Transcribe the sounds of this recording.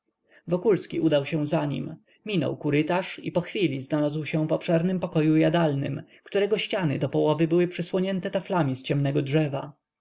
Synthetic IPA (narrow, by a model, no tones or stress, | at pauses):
vɔkulskʲiʔud̪awɕɛ̃zaɲḭm | mʲinɔ̰wkuɾɘt̪aʂipɔxfʲilʲiznalazwɕɛ̃vɔpʂɛɾnɘmpɔkɔjujad̪alnɘ̰mkt̪uɾɛɡɔɕt͡ɕanɘ̰d̪ɔpɔwɔvɘbɘwɘpʂɘswɔɲɛnt̪ɛt̪aflamʲist͡ɕɛmnɛɡɔdʐɛva